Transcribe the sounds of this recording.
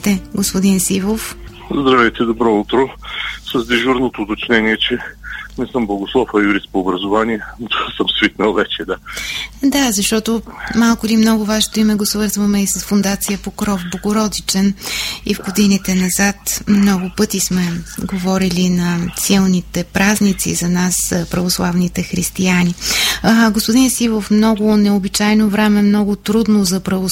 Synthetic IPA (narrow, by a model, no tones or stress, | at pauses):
t̪ɛɡospʊd̪insivof | zd̪ɾavɛjt̪ɛd̪obɾɔut̪ɾosɐzd̪iʒuɾnot̪oːt̪ot͡ʃnɛniɛt͡ʃɛnɛsəmblˠɐɡʊslˠɔfɐjuɾist̪poːbɾɐzovaniɛt̪ovasəmsvik̪nəlˠvɛt͡ʃɛd̪ad̪azɐʃt̪ɔt̪omalˠkʊlimnɔɡʊvaʃɛ̥t̪oimɛɡosvɤɾzvɐmɛisɐsfʊnd̪at̪sijəpokɾɔvboɡoɾɔd̪it͡ʃɛnivɡod̪init̪ɛnɐzat̪mnɔɡʊpɤt̪ismɛɡovɔɾilinɐsilˠnit̪ɛpɾaznit̪sḭzɐnaspɾɐvoslˠavnit̪ɛxɾist̪iani | ɡospʊd̪insivəfmnɔɡʊnɛobit͡ʃajnovɾɛmɛmnɔɡʊt̪ɾud̪nozɐpɾɐvo